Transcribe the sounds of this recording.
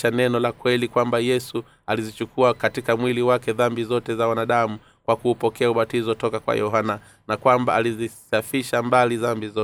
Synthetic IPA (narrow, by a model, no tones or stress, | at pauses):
anɛnɔlakwɛlikwambajɛsu | alizit͡ʃukuakatikamwiliwakɛðambizɔtɛzawanaɗamu | kwakuːpɔkɛauɓatizɔtɔkakwa̰jɔɦana | nakwambaalizisafiʃambaliðambizɔ